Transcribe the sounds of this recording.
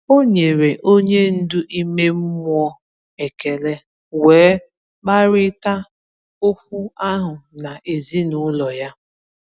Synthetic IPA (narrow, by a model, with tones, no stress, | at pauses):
o˦ɲe˨ɾe˨ʔo˦ɲe˦n̩˦dʊ˦ʔi˦me˦m̩˦mʷ˦ɔ˦ | e˨ke˨le˦ | weː˨˦ | k͡pa˦ɾɪ˦ta˦ | ʊ˦kʷu˦a˦ɦʊ˨na˨ʔe˨zi˦nʊ˨˦lɔ˨ja˦